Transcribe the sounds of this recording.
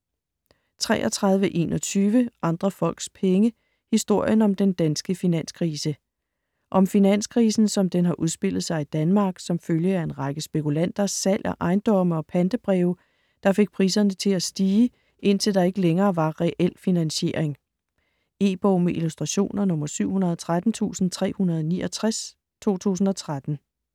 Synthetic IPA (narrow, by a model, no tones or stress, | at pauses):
t͡sʰʁɛ̰ːʔɒt͡sʰʁɑ̈ðˠʋəʔe̝̰ːnʔɒ̽t͡sʰyːʋəʔɑ̈nd̥ʁɐfɒ̽l̰ɡ̥spʰeŋə | hisd̥o̝ɐ̰jənɒ̽md̥end̥ænsɡ̥əfinæn̰skʰʁiːsə | ʔɒ̽mfinæn̰skʰʁiːsn̩sɒ̽md̥enɦɑ̈ʔuð̞ˠsb̥e̝l̰ð̩ˠsɑ̈ɪid̥ænmɑ̈ːɡ̥sɒ̽mføljəæe̝nʁɑ̈ɡ̥əsb̥e̝kʰulæn̰d̥ɐsæl̰ʔɒʔɑ̈ɪnd̥ɒ̽mɒ̽pʰænd̥əb̥ʁɛʊ | d̥ɑ̈fe̝ɡ̥̚pʰʁiːsɐnət͡sʰe̝læsd̥iː | ʔe̝n̰t͡sʰe̝ld̥ɑ̈e̝ɡ̥əleŋɐːʋɑ̈ʁɛʔel̰finænɕe̝ɐ̰eŋ | e̝̰ːb̥ɔʊmeʔilusd̥ʁɑ̈ɕo̝̰ːnɐnɔ̽mɐsyʊ̰hunɐðˠɒt͡sʰʁad̥n̩t͡sʰṵːsn̩t͡sʰʁɛ̰ːhunɐð̞ˠɒnḭːʔɒt͡sʰʁas | t͡sʰo̝̰ːt͡sʰṵːs̬n̩ɒ̽t͡sʰʁad̥n̩